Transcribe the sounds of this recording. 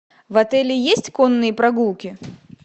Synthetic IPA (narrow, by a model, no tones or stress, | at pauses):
vɐt̪ɛlʲɪjesʲtʲkɔnːɨjɐpɾɐɡulˠkʲi